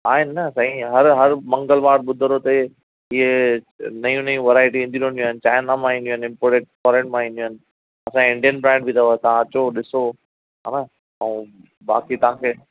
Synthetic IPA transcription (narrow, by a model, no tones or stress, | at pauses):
aːɦɪnːɐsɐɦĩɦɐɾɦɐɾmɐ̃ŋɡəlʋaːɾɓʊd̪ʱʊɾot̪ɐ | ie | nɐjũnɐjũʋɐɾaːɪʈiʋẽːnd̪iɗõnd̪joːɦɪnɪ̆t͡ɕaːɪnamãːɦĩnd̪iõːɦɪ̃nɪ̃mpoːɾeːʈ̚fɔːɾẽːʈmãĩnd̪ijoɦɪnɪ̆ | ɐsãkɪ̃ɳɖijənbɾɛ̃ːɳɖbʱit̪ʰɐoet̪ɐʋ̤ãɐt͡ɕoɗɪso | ɦa̰ːna | ɐũː | ɓa̰ːkit̪ɐɦãːkʰeː